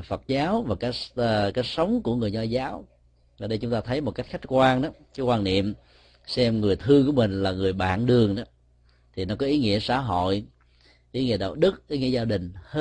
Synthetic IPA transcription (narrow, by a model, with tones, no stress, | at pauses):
fə˨˩t̚zaː˨˦wvaː˨˩kaː˨˦jkaː˨˦˥j̚sə˨˦wŋ͡mku˧˩əŋɨ˨˩əjɲɔ˧˩zaː˨˦w | ʔaː˨˩ɗə˧jt͡ɕʊ˦ŋ͡mt̪aː˧t̪ʰə˨˦jmo˨˩t̚ka˦˥jk̟̚xa˦˥jk̟̚kwaː˧nɗa˨˦kaː˨˦jkwaː˧nnḭ˧˨əm | sɛ˧mŋɨ˨˩əjt̪ʰɨ˧ku˧˩əmï˨˩ŋ̟laː˨˩ŋɨ˨˩əjɓa̰ː˧˨nɗɨ˨˩əŋʔaː˨˦ | t̪ʰi˨˩nɔ˨˦kɔ˨˦ʔi˨˦ŋḭ˧˥əsa̰ː˧˩ɦo̰˧˨j | ʔi˨˦ŋḭ˧˥ə˩ɗa̰˨wɗɨ˦˥k̚ʔi˨˦ŋḭ˧˥əzaː˧ɗï˨˩ŋ̟h